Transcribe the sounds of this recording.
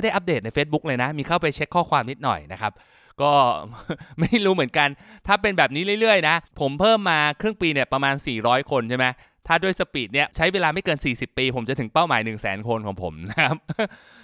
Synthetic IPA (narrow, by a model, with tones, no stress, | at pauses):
jda˥˩ʔa˦˥p̚deː˨˩t̪̚na˧jfeː˦˥t̪̚bu˦˥k̚lɤː˧jna˦˥miː˧kʰa˥˩wpa˧jt͡ɕʰe˦˥kʰːɔː˥˩kwaː˧mni˦˥t̪̚nɔ̰˨˩jna˦˥kʰa˦˥p̚ | kɔː˥˩ | ma˥˩jɾuː˦˥mɯ˩˦ənka˧nt̪ʰaː˥˩pe˧nbɛː˨˩p̚niː˦˥lɯ˥˩jlɯ˥˩əjna˦˥pʰo˩˦mpʰɤː˥˩mːaː˧kʰɾɯ˥˩ŋpiː˧ni˥˩ɐpɾa˧maː˧nsiː˨˩ɾɔː˦˥jkʰo˧nt͡ɕʰma˦˥j | t̪ʰaː˥˩du˥˩əjsa˧piː˨˩t̪̚ni˥˩ɐt͡ɕʰa˦˥jweː˧laː˧ma˥˩jkɤː˧nsiː˨˩si˨˩pːiː˧pʰo˩˦mt͡ɕa˨t̪ʰɯ˩˦ŋpa˥˩wmaː˩˦jnɯ˨˩ŋsɛ̰ː˩˦nkʰo˧nkʰɔ̰ː˩˦ŋpʰo̰˩˦mna˦˥kʰa˦˥p̚